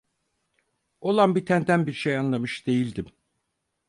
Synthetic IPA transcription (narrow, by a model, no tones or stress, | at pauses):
o̞lˠanbit̪ʰænd̪ænbiɾʃejanlˠamɯʃd̪e̞jilʲd̪im